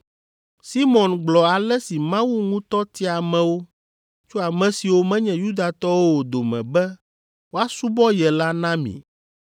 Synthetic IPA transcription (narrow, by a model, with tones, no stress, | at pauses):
si˦mɔ̃˨nɡ͡blɔ˨a˨lɛ˦si˨mã˦wu˦ŋũ˦t̪ɔ˦t̪i˦a˨mɛ̃˨wo˦ | t͡ʃo˦a˨mɛ̃˨si˨wo˦mɛ̃˦ɲɛ̃˨ju˦d̪a˨t̪ɔ˦wo˦wo˨d̪o˨mɛ̰̃˨bɛ˦ | wo˦a˦su˦bɔ˦jɛ˨la˦nã˦mḭ̃˨